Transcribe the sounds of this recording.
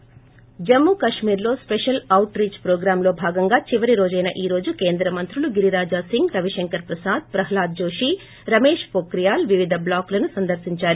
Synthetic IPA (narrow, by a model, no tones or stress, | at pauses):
d͡ʒɐmːuːkɐʂmiːɾlo̞ːspeʂɐlɐwʈɾiːt͡ʃpɾoːɡɾaːmlo̞ːbʱaːɡɐŋɡaːt͡ʃiʋɐɾiɾoːd͡ʒɐjnɐ̰ʔiːɾo̞ːd͡ʒuke̞ːnd̪ɾɐmɐnt̪ɾuluɡiɾiɾaːd͡ʒaːsiŋɡɾɐʋiʂɐŋkɐɾpɾɐsaːd̪̚pɾɐɦɐlaːd̪̚d͡ʒoːʂiː | ɾɐmeːʂpoːkɾijaːlʋiʋid̪ʱɐblaːklɐnusɐnd̪ɐɾsiɲt͡ʃaːɾu